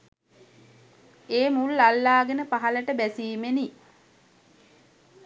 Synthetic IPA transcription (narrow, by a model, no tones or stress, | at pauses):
eːmulːalːaːɡənəpaɦaləʈəbæsiːmeni